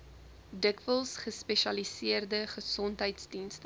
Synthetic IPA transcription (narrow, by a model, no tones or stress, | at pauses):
dəkvəlˠsχəspeʃɐlisiərdəχəsɔntɦəjtsdinst